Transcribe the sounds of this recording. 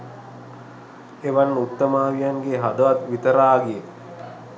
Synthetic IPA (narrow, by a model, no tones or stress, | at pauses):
eʋanːəut̪ːəmaːʋijaŋɡeɦad̪əʋat̪ʋit̪əɾaːɡie